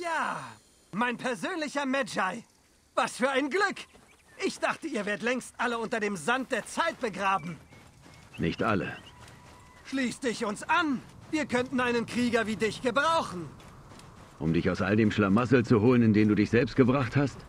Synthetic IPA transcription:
jaː | maɪnpʰɛɐzøːnlɪçɐmɛd͡ʒaɪ | vasfyːɐaɪnɡlʏk | ʔɪçd̥aχtəiːɐveːɐət̬lɛŋstʔaləʊntɐdeːmzant̚d̥eːɐt͡saɪt̚b̥əɡʁaːbm̩ | nɪçtʔa̰lə̰ | ʃliːstd̥ɪçʊnsʔanviːɐkʰœntn̩aɪnənkʁ̥iːɡɐviːdɪçɡ̥əbʁaʊχn̩ | ʔʊmdɪçaʊsʔa̰ldeːmʃlamasl̩t͡suɦoːlənɪndeːmnduːdɪçz̥ɛlpst̚ɡ̥əbʁaχthast

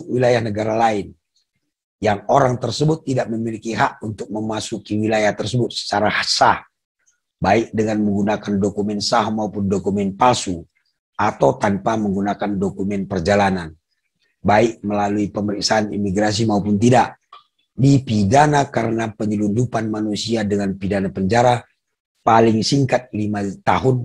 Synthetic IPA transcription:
wilajahnəɡaɾalaɪn | jaŋoɾaŋt̪ərsəbʊt̪ːidaʔ̚məmilikiɦaʔunt̪ʊk̚məmasukiwilajaht̪ərsəbʊt̪̚sə̥t͡ʃaɾahasah | baɪk̚dəŋanməŋɡunakandokumɛnsaɦmaupʊndɔkumɛnpalsu | at̪awt̪anpaməŋɡunakandɔkumɛnpərd͡ʒalanan | baik̚məlaluipəməɾik̚saːnḭmiɡɾas̬imaupunt̪idaʔ | dipidanakaɾənapəɲulund͡ʒupanmanusiadəŋanpidanapəɲd͡ʒaɾa | paliŋsiŋkat̪̚limat̪aɦun

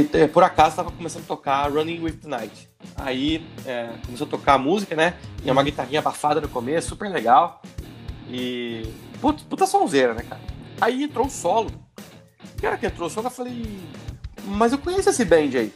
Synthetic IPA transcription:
ɛpʊɾakazʊt̪avɐkõmesɐ̃nd̪ʊɐt̪okaɾɐ̃nĩwif̚t̪ʊnajt͡ʃɪ̥ | a̰iɛkõmesoɐt̪okaːmuzikɐnɛt͡ʃĩɛũmɐɡit̪aɦĩɲɐabafad̪ɐnʊkomesʊ̥supeɾleɡaw | ɪ | put̪ɐ̥put̪ɐsõzeɾɐnɛkaɾɐaiẽnt̪ɾowʊsɔlʊ | kɪɔɾɐkɪẽnt̪ɾoʊsɔlʊewfalej | mɐzewkõɲesʊesɪbẽd͡ʒɪai

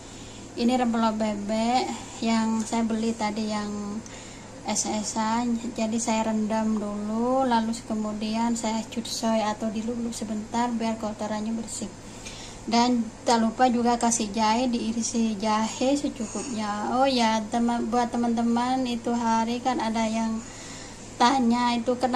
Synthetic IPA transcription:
ʔiniɾəmpəlobebɛʔ | jaŋsajabəlit̪adijaŋ | ɛsɛsad͡ʒadisajaɾəndəmdululalusi̥kəmudiansajat͡ʃut̪sɔjat̪awdilulusəbənt̪arbiarkəut̪aɾaɲabərsɪh | dant̪alupad͡ʒuɡakasid͡ʒaidiiɾisid͡ʒahɪsət͡ʃukup̚ɲaojat̪əmabuat̪ːəmant̪̬əmanit̪uɦaɾikanadajaŋ | t̪aɲait̪ukən

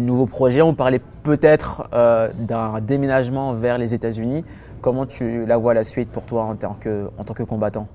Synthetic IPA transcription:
nuvopχɔʒɛɔ̃paʁlɛ | pøt̪ɛt̪χød̪ɛ̃d̪emenaʒmɑ̃vɛʁlezet̪azyni | kɔmɑ̃t̪ʰylavwaːlasɥit̪̚puʁt̪waɑ̃t̪ɑ̰̃kəɑ̰̃t̪ɑ̃kəkɔ̃bat̪ɑ̃

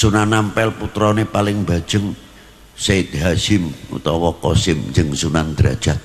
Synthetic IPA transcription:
sunanːampɛlput̪ɾɔnepalɪŋbḁʒ̥əŋ | set̪̚ɦaʃɪmṵt̪ɔwɔkɔsɪmɲd͡ʒəŋsunand̪̥ɾa̰d̥ʒ̥at̪̚

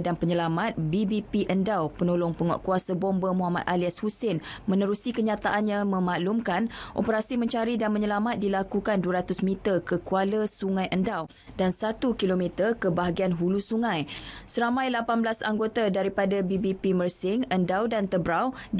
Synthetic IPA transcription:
danpəɲəlamat̪̚bibipiʔəndawpənolʊŋpəŋɔ̰ʔkuasabɔmbəmuɦamat̪̚ʔaliashusɪnmə̃nəɾusikəɲãt̪aʔanɲãmə̃maʔlumkanʔo̰pəɾasimə̃ɲt͡ʃaɾidanmə̃ɲəlamat̪̚dilakukanduaɾat̪ʊsmĩt̪ərkəkualəsuŋãjʔəndaw | dansat̪ukilomit̪ərkəbaɦaɡianɦulusuŋãjsəɾamãjlapanbəlasa̰ŋɡot̪adaɾipadabibipimərsɪŋəndawdant̪əbɾaw

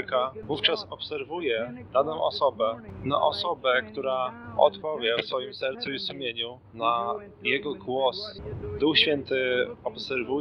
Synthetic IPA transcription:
kavuft͡ʂasɔpsɛɾvujɛɾad̪ɔ̃w̃ʔɔ̰sɔbɛna̰ʔɔsɔbɛkt̪uɾaɔ̰t̪pɔvʲjɛfsfɔjimsɛɾt̪suisumʲjeɲu | na | jɛɡɔɡwɔsd̪uxɕfʲjɛnt̪ɘɔpsɛɾvu

